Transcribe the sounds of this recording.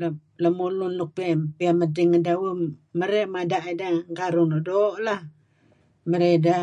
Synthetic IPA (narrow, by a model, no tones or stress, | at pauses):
la | ləmulunluk̚piapiamədiŋːədawəməɾeʔmadaʔadaŋkaɾunoʔdoːʔlah | məɾeda